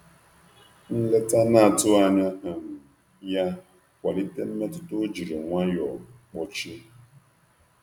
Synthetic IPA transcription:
n̩˦le˦ta˦na˦a˨tʊ˦a˨ɲa˦ɦa˨m̩˦ | ja˦ | kʷa˨li˦te˦m̩˦me˦tʊ˦tʊ˦d͡ʒi˨ɾi˨ŋʷa˦jɔ˨k͡pɔ˦t͡ʃi˦

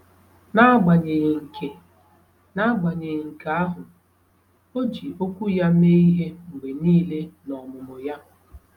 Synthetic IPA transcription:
na˦ɡ͡ba˨ɲe˨je˨ŋ̩˨kʰe˨ | na˦ɡ͡ba˨ɲe˨je˨ŋ̩˨ka˨a˦ɦʊ˨ | o˦d͡ʒi˨ʔo˦kʷu˦ja˦me˦i˦ɦe˦ŋ͡m̩˨ɡ͡be˨niː˦le˦nɔ˨mʊ˨mʊ˨ja˦

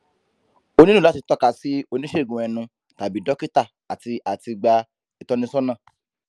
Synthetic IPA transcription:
o˧nĩ˦nũ˦˨a˨˦ti˧tɔ˦ka˧si˨˦o˧nĩ˦ʃe˦˨ɡũ˨ɛ˧nũ˧ | ta˨bi˨˦dɔ˦ki˦ta˦˨ | a˨ti˧ʔa˨ti˧ɡ͡ba˧ | i˨tɔ̃˦nĩ˦sɔ˦nã˦˨

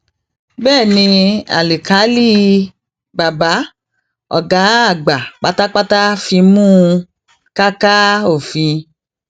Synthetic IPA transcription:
bɛː˦˨nĩ˧a̰˨li˨ka˨˦li˦ | ba˨ba˨˦ | ɔ̰˨ɡa˨˦a˦˨ɡ͡ba˨k͡pa˦ta˦k͡pa˦ta˦fĩ˧mũ˦ | ka˦ka˦o˦˨fĩ˧

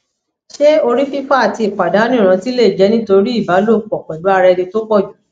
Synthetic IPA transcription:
ʃe˦o˧ɾi˦fi˦fa˦a˦˨ti˧˨k͡pa˨da˨˦nĩ˦˨ɾ̃ã˧ti˦le˦˨d͡ʒɛ˨˦nĩ˦to˧ɾi˦i˦˨ba˨˦lo˦˨k͡pɔ˨k͡pɛ˨du˨˦a˧ɾɛ˧dĩ˧to˦k͡pɔ˦˨d͡ʒu˨

